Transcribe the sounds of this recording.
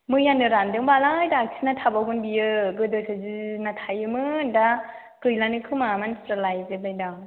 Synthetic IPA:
mɯjanɯɾandɯŋbalajdaksʰinatʰabawɡɯnbijɯɡɯdɯsazɯnatʰajɯmɯnda | kɯjlanɯkʰɯmamansɾalajzɯbajdaw

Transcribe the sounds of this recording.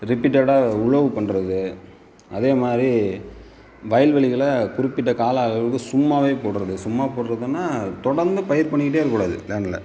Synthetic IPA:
ɾɪpːiːʈ̬ːɐɽaːʊɻɐʋɯpɐɳːɾɐðɯ | ɐðeːmaːd̪ɾi | ʋɐjɐlʋɛɭɪɣɐɭɐkʊɾɪpːɪʈːɐkaːlɐːɐɭɐʋɯkːɯsʊmːaːʋeːpoːɽɾɐðɯsʊmːaːpoːʈɾɐðɯnːaːt̪ɔɽɐɾnd̪ɯpɐjɐɾpɐɳːɪkːɪʈ̬ːeːɪɾɯkːuːɽaːðɯ̰leːnɐlɐ̰

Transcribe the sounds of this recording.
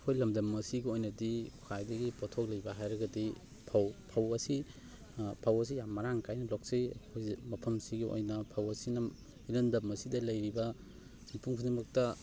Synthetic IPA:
kʰojlɐmdɐmːɐsiɡiojnɐdikʰajdɐɡipotʰok̚lɐjbɐɦajɾɐɡɐdi | pʰɐwpʰɐwɐsi | pʰawɐs̬ijamːɐɾaŋkajnɐlɔk̚siɐkʰojmɐpʰɐmsiɡiʔo̰jnɐpʰawɐsinɐ | inɐndɐmːɐsidɐlɐjɾibɐ | sinpʰuŋsʰunimɐk̚tɐ

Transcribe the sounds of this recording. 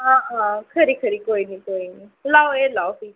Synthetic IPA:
ɦãɦãkʰəɾikʰəɾikoːinikoːinilawelawsi

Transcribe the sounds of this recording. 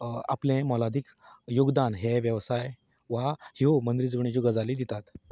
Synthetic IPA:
a̰plẽmɔlad̪ʱik | juɡd̪anɦeʋjəʋsaj | ʋahiomənd̪ɾid͡zbɳĩd͡ʑuɡad͡zaliːd̪it̪at̪

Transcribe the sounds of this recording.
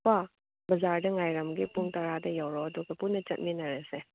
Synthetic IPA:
pa | bɐzaɾdɐŋajɾɐmɡipuŋtɐɾadɐjawɾɔɐduɡɐpunːɐt͡ʃɐt̚minɐɾese

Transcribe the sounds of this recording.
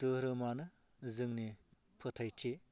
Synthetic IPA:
tɯɾɯmanɯ | zɯŋni | pʰɯtʰajtʰi

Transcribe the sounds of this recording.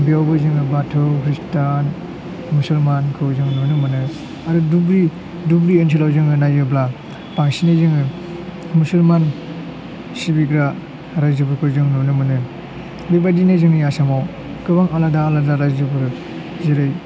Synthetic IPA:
bijawbɯzɯŋɯbatʰɯwkʰɾistan | musulmankʰɯwzɯŋnɔnɯmɯnɯ | aɾudubɾi | dubɾiɯntʰilawzɯŋɯnajɯbla | paŋsinazɯŋɯ | musulman | sibikɾa | ɾajzɯbɯɾkʰɯwzɯŋnunɯmɯnɯ | bibadinazɯŋnijasamaw | kɯbaŋaladaːladaɾajzɯbɯɾ | zeɾɯj

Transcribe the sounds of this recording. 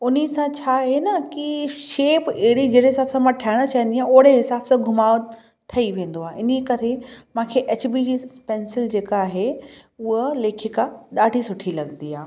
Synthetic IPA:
ʊnisãt͡ɕʰaːɦenɐkiʃeːpeɦɪɽid͡ʑɐːɽeɦɪsaːbsãmãʈʰaːɪɽ̃ət͡ɕaːə̃n̆d̪iãːoːɽeɦɪsaːbsãɡʱʊmaː | t̪ʰɐiʋẽːnd̪oaːɦeʔɪnikɐɾemãːkʰeʔɐt͡ɕbiːd͡ʑiːspeːnsɪld͡ʑeːkːɦeʊɦəleːkʰɪkaɗaːɖʱisʊʈʰilɐɡnd̪iaː

